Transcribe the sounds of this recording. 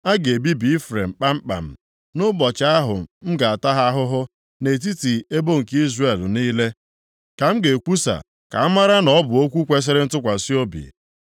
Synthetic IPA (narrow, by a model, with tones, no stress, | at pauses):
a˦ɡe˨e˨bi˦bi˨i˦fɾe˨m̩˨k͡pa˦m̩˦k͡pa̰˨m̩˨ | nʊ˦bɔ˨t͡ʃa˦ɦʊ̰˨m̩˦ɡa˨a˨ta˦ɦa˦ɦʊ˦ɦʊ˦ | ne˨t̬i˦ti˨e˦bo˦ŋ̩˨ki˦zre˨lniː˦le˦ | ka˨m̩˦ɡe˨kʷu˦sa̰˨ | ka̰˨a˦ma˦ɾa˦nɔ˦bʊ˨o˦kʷu˦kʷe˦s̬e˦ɾɪ˦n̩˦tʊ˦kʷa˨si˦o˦bḭ˨